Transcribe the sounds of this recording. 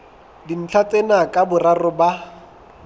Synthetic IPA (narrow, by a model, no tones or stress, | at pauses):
din̩t͡ɬʰat͡sʼenakʼabʊrarʊba